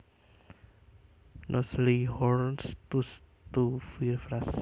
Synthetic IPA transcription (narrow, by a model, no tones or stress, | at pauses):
nʔɔslihɔɾnst̪us | t̪ufirfɾas